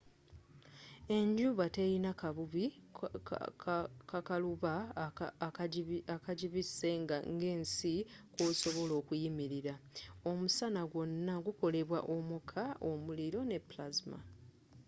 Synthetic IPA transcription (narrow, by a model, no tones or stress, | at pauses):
e̞ɲɟuβate̞jinakaβuβi | kakaluβa | akaɟiβise̞ŋɡaŋɡe̞ːnsikoːso̞βo̞lo̞ːkujimiɾiɾao̞musanaɡwo̞nːaɡuko̞le̞βwaʔo̞mukʰaomuliɾo̞ne̞plazma̰